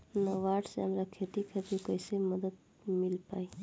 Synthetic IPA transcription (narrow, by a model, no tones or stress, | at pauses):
nəʋaʈseɦəmɾakʰet̪ikʰet̪ikəɪseməd̪əd̪ | milpai